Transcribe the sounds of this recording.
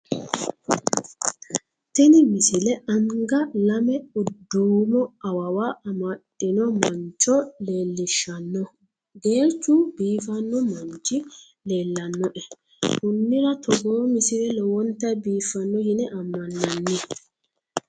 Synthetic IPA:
t̪ɛnɪmɪsɪlɛɐŋɡɐlɐmɛʊd̪ːumɔɐwɐwaʔɐmɐɗɪnɔmɐnt͡ʃɔleːlːɪʃɐnːɔ | ɡe̞ːɾt͡ʃːubiːfɐnːɔmɐnt͡ʃːɪ | le̞ːlːɐnːɔʔɛ | kʊnːɪɾɐt̪ɔɡoːmɪsɪlɛlɔwɔnt̪ːɐbiːfɐnːɔjɪnɛʔɐmːɐnːɐnːɪ

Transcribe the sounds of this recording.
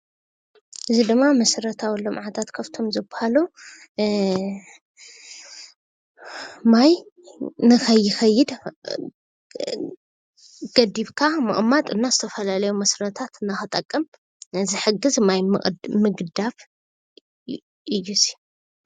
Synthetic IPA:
ʔɨzid̪ɨmːamɐsɾɐt̪ʰawilːomʕat̪ʰat̪kʰɐft̪ʰo̞mzɨbahalu | maj | nɨxɐjːɪxɐjːɪd̪ | ɡ̥ɐd̪iβkʰamɨ̰χʼmːat̪ʼɨnːazɨt̪ʰɐfɐlalɐjumɐsɾɐt̪ʰat̪ɨnːaxɨt̪ʼɐkʼːɐm | ɨzɨħɨɡɨzmajmɨɡd̪aβ | ʔɨjːusi̥ju

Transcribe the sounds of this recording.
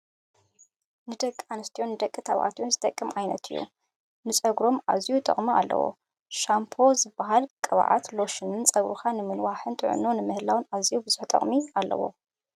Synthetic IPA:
nɨd̪ɐkʼanɨst̪ʰijonːɨd̪ɐkʼːɨt̪ʰaβʔa̰t̪ʰjonzɨt̪ʼɐkʼːɨmʕajnɐ̰t̪ʰɨjːṵ | nɨsʼɐɡɾo̞mʔa̰zijut̪ʼɐ̰χʼmɨalːɐ̰wo̰ | ʃampʰo̞zɨbːaɦalkʼɐβa̰ʕa̰t̪lo̞ʃɨnɨnt͡sʼɐβɾukʰanɨmɨnwaħɨnt̪ʼɨʕʊ̰nonɨmɨhlawɨnazijubɨz̥uħt̪ʼɐ̰χʼmialːɐ̰wo̞̰

